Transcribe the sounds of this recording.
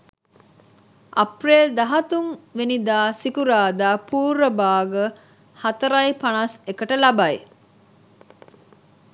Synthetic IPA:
ʔɐpreːld̪ɐɦɐt̪uŋʋenid̪aːsikuɾaːd̪aːpuːɾəbaːɡə | hɐt̪ɐɾɐjpɐnɐsekəʈəlɐbɐj

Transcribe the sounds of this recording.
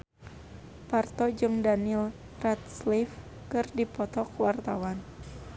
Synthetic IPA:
part̪ɔd͡ʒɨŋdanil | rat̪̚slif | kɨrdipɔt̪ɔkwart̪awan

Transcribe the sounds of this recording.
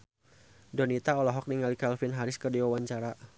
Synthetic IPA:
dɔnit̪aɔlɔɦɔk̚niŋalikalfɪnɦaɾɪskərdiwawaɲt͡ʃaɾa

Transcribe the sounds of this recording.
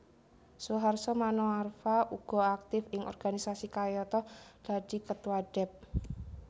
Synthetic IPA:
suɦarsɔmanɔarfaʔuɡ̥ɔ̤ak̚t̪ɪfɪŋʔɔ̰rɡ̥anisasikajɔt̪ɔd̪̥a̤d̪̥ikət̪waɖ̥ɛp̚

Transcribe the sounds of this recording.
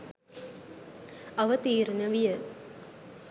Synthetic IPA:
ɐʋɐt̪iːɾɐnɐʋijɐ

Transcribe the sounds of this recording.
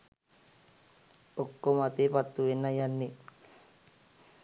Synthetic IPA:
okːomat̪epat̪ːuenːajanːi

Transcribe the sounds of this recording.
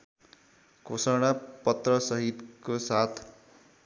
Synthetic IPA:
kosʌɽ̃apʌt̪rʌsʌɦit̪kosat̪ʰ

